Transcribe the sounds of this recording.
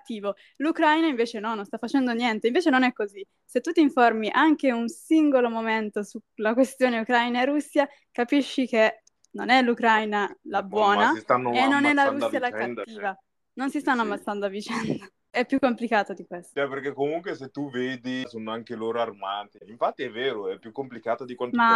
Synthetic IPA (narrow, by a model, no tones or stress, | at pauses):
t̪ːiːvo | lukɾajnaiɱveːt͡ʃenɔnːonst̪afːat͡ʃɛnd̪onjɛnt̪eiɱveːt͡ʃenonɛkːozi | set̪ːut̪ːiɱformiʔaŋkeunsiŋɡolomoment̪osulakwest̪joːneukɾajnaeɾusːja | kapiʃːike | nonɛlukɾajnalabwɔːnast̪anːenːonɛlːaɾusːjalakaːiːva | nonsist̪anːomast̪and̪oavit͡ʃɛnd̪o | ɛpːjukːomplikaːt̪od̪ikwest̪ɛperkekːomuŋkweset̪ːuveːd̪isoːnoaŋkeloːɾoarmaːt̪eiɱfat̪ːiɛvːeːɾoɛpːjukːomplikaːt̪od̪ikwama